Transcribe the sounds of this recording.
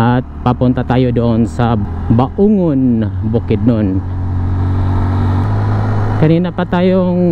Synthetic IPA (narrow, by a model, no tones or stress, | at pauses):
at̪̚papunt̪at̪ajudɔːŋsabaʔuŋunbukid̪̚nʊn | kaninapat̪ajɔŋ